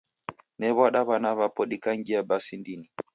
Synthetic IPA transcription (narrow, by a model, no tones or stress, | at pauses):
nɛβaɗaβanaβapɔɗikaŋɡiabasindini